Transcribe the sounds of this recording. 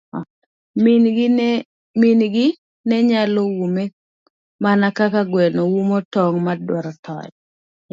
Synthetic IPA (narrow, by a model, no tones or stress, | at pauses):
mɪnɡn | minɡɪ | nɛɲalowume | manakakaɡwɛnowumotɔŋmadwɔɾɔtɔ̰j